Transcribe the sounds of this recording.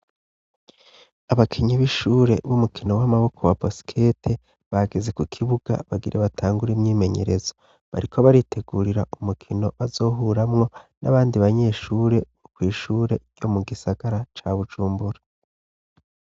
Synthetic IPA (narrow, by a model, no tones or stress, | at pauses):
aβakʰiɲiβiʃuːɾe̞βumukʰino̞wamaβo̞kʰo̞wabosi̥kʰe̞tʰe̞ | βaɡeze̞kukʰiβuɡ̥a̰βaɡiɾʔeβatʰaːŋɡuɾimɲiːme̞ɲe̞ɾe̞z̥o | βa̰ɾikʰoβaɾitʰe̞ɡuːɾiɾaumukʰino̞βazo̞ːɦuːɾamŋo̞naβaːndiβaɲe̞ːʃuːɾe̞βokwiːʃuːɾe̞ɟo̞muɡisaɡ̥aɾat͡ʃaβud͡ʒuːmbuɾa